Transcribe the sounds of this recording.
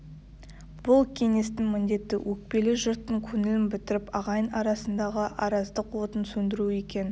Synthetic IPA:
b̥ʊlˠkʲʰe̞ŋe̞st̪ɪŋmɪnd̪e̞t̪ːɪwʔɵk̚pe̞lɪʒʊɾt̪ːəŋkʲʰɵnɪlɪmbɪt̪ɪɾɪpɑʁɑjənɑɾɑsənd̪ɑʁəʔɑɾɑzd̪əqwo̞t̪ənsɵnd̪ɪɾue̞kʲe̞n

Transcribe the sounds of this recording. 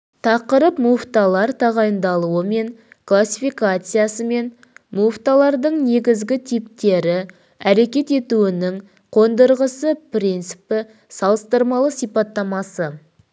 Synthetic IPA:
t̪ʰɑqəɾəpmuft̪alˠɑɾt̪ʰɑʁɑjənd̪ɑlˠuəme̞ŋ | klˠasʲifijkat̪sɨjasəme̞n | muvt̪alˠɑɾd̪əɴne̞ɡʲɪzɡʲɪt̪ʰijp̚t̪e̞ɾɪ | æɾe̞kʲe̞t̪e̞t̪uɪnɪŋ | qʰo̞nd̪əɾʁəsəpɾijnt̪sɨ̥pɪ | sɑlˠəst̪əɾmɑlˠəsijpɑt̪ːɑmɑsə

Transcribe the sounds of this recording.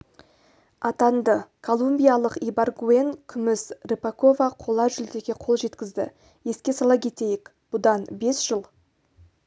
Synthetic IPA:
ɑt̪ɑnd̪əkʰo̞lˠumbʲijalˠəqijbaɾɡue̞ŋkʲʰʏmɪsrepako̞vɑqʰo̞lˠɑʒʏlt̪e̞kʲe̞qʰo̞lˠʒe̞t̪kʲɪzd̪ɪ̰ | e̞skʲe̞sɑlˠɑkʲʰe̞t̪e̞jɪk | b̥ʊd̪ɑnbe̞sʒ̥əlˠ

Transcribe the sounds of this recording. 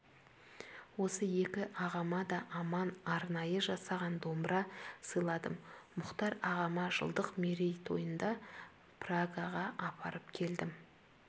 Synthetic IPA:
wo̞səje̞kʲɪʔɑʁɑmɑd̪ɑʔɑmɑnɑɾnɑjəʒɑsɑʁɑnd̪o̞mɾɑsəjlˠɑd̪əmːʊqt̪ɑɾɑʁɑmɑʒə̰lˠd̪əqmeɾejt̪ʰo̞̰jənd̪ɑ | pʰraɡaʁɑʔɑpʰɑɾəpkʲʰe̞ld̪ɪm

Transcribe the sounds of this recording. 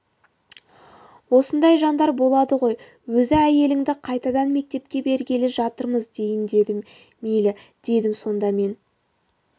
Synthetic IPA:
wo̞sənd̪ɑjʒɑnd̪ɑɾbo̞lˠɑd̪əʁo̞j | wɵzɪæje̞lɪŋd̪ɪqʰɑjt̪ɑd̪ɑnme̞k̚t̪e̞p̚kʲe̞be̞ɾɡʲelɪʒɑt̪əɾməzd̪e̞jɪnd̪ed̪ɪ | mejlɪd̪̥e̞d̪ɪmso̞nd̪ɑme̞n

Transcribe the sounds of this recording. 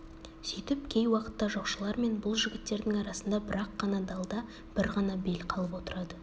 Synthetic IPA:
sijt̪ɪp̚kʲʰe̞jwɑqə̥t̪ːɑʒo̞qʃəlˠɑɾme̞nbʊlˠʒɪɡʲɪt̪ːe̞ɾd̪ɪŋɑɾɑsənd̪ɑbɪɾɑqːɑnɑd̪ɑlˠd̪ɑ | b̥ɪɾʁɑnɑbe̞lqʰɑlˠəpwo̞t̪əɾɑd̪ə

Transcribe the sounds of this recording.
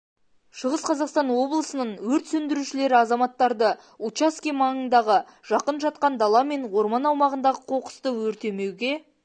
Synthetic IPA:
ʃəʁəsqʰɑzɑqst̪ɑnwo̞blˠəsənəɴwɵɾt̪sɵnd̪ɪɾuʃɪle̞ɾɪɑzɑmɑt̪ːɑɾd̪ə | ut͡ʃaskʲimɑɴənd̪ɑʁə | ʒ̥ɑqənʒɑt̪̚qɑnd̪ɑlˠɑme̞nwo̞ɾmɑnɑwmɑʁənd̪ɑʁəqʰo̞qə̥st̪əwɵɾt̪e̞me̞wɡʲe̞

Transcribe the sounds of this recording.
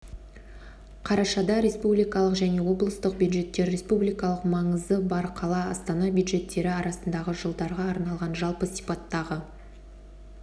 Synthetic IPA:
qʰɑɾɑʃɑd̪ɑɾe̞spublijkɑlˠəqʒæne̞wo̞blˠəst̪əq̚bʲjud̪ʒe̞t̪ːe̞ɾe̞spublijkɑlˠəqmɑɴəzd̪əbɑɾqʰɑlˠɑɑst̪ɑnɑbʲjud̪ʒe̞t̪ːe̞ɾɪɑɾɑsənd̪ɑʁəʒəlˠd̪ɑɾʁɑːɾnɑlˠʁɑnʒɑlˠpəsipɑt̪ːɑʁə

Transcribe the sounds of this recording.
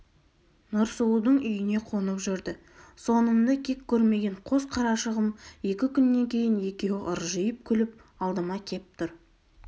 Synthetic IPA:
nʊɾsuud̪əɴʏjɪne̞qʰo̞nəpʒʏɾd̪ɪ | so̞nənd̪ɑkʲʰe̞kʲʰːɵɾme̞ɡʲe̞ɴqʰo̞sqʰɑɾɑʃəʁəmje̞kʲɪkʲʰʏnːe̞ŋkʲʰe̞jɪne̞kʲe̞wɪʔəɾʒəjəp̚kʲʰʏlɪp̚ | ɑlˠd̪əmɑkʲʰe̞pt̪ʰʊɾ

